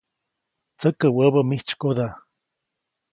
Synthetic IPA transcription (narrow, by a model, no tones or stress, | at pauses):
t͡səkəwəbəmiht͡ʃkod̪a